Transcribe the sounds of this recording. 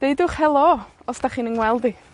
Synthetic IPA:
d̥eɨdʊχhɛlˠɔɔsd̥aχiːnənwɛlˠdi

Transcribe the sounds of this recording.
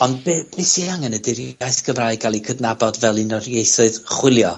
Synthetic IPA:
ɔndbb̥ɪsiaŋɛnədɪrjajθɡ̥əmraːjɡalˠikʰədnabɔdvɛlˠinɔrjejθʊɨðχwɪlˠjɔ

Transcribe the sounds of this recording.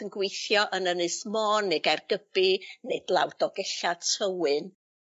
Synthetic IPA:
ənɡwejθjɔʔənənɨsmɔːnːeɡɛrɡəb̥ɨnedlˠa̰wdɔɡɛɬatʰəwɨn

